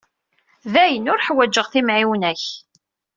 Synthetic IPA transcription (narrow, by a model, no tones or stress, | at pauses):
ðæjənʊɾħwæd͡ʒːəʁθimʕiwnæç